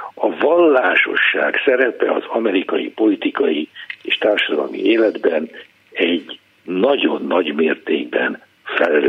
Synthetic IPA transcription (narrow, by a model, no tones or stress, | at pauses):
ɒvɒlːaːʃo̞̰ʃːa̰ːksɛɾɛpɛɒ̰zɒmɛɾikɒjipo̞lit̪ikɒjieːʃt̪aːrʃɒd̪ɒlmḭeːlɛd̪bɛn | ɛɟ | nɒɟo̞nːɒɟmeːrt̪eːɡ̚bɛn | fɛlɛl